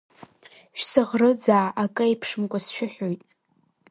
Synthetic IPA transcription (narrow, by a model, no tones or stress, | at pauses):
ʃsɨʁrɨd͡zaːʔakʼɨepʰʂɨmkʷʼasʃᶣʊħʷᶣojtʼ